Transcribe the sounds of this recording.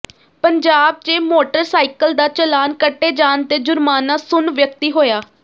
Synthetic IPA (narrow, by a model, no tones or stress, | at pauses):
pəɲd͡ʒaːb̚t͡ʃeːmoːʈəɾsaːikəld̪aːt͡ʃəlaːnkəʈːeːd͡ʒaːnt̪eːd͡ʒʊɾmaːnaːsʊnʋjək̚t̪iːɦoːjaː